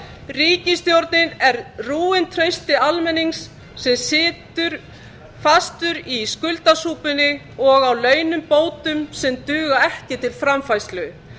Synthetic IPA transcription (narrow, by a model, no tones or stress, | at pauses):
riːcɪst̪jowɾt̪nɪnɛɾruːɪnt̪ʰɾœɥst̪ɪalmɛnːiŋsː | ɛmsɪːt̪ʏɾ̥ | fast̪ʏɾiskʏlt̪asuːpʏnɪ | ɔɣawlœːɥnʏmpoːwt̪ʏmsɛmt̪ʏːɣaɛhcɪt̪ʰɪlfɾamfajst̪lʏ